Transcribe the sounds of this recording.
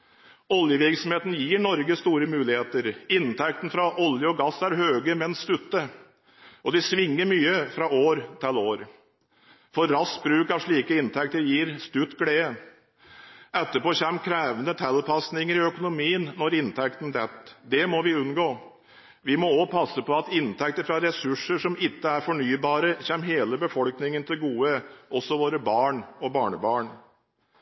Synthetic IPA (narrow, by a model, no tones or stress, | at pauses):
ɔljəʋɪɾksɔmheːt̪n̩jiːɳɔɾɡəst̪uːɾəmʉːlɪheːt̪əɾɪnt̪ʰɛk̚t̪n̩fɾɑʔɔljəɔɡɑsːæɾɦøːɡəmɛnst̪ʉt̪ːə | ɔd̪ɪsʋɪŋːəɾmyːəfɾɑoːɾt̪ʰɪloːɾ | fɔɾːɑsbɾʉːkɑʋʂɭiːkəɪnt̪ʰɛkt̪əɾjiːɾst̪ʉt̪ːɡɽeːə | ʔɛt̪ːəpoːçɛmkʰɾeːʋənət̪ʰɛlpʰɑsnɪŋəɾɪœkʊnʊmiːənnːɔɾɪnt̪ʰɛk̚t̪n̩d̪ɛt̪ːd̪ɛmɔʋɪʉnɡoː | ʋɪmɔoːpʰɑsːəpɔɑt̪ɪnt̪ʰɛk̚t̪əɾfɾɑɾɛsʉʂəʂɔmɪt̪ːəæɾfɔɳyːbɑːɾəçɛːmɦeːləbəfɔlknɪŋənt̪ʰɪlɡuːəʔɔsːɔʋoːɾəbɑːɳɔbɑːɳəbɑːɳ